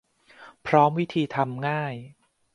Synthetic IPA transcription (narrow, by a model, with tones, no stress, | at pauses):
pʰɾɔː˦˥mwi˦˥t̪ʰiː˧t̪ʰa˧mŋaː˥˩j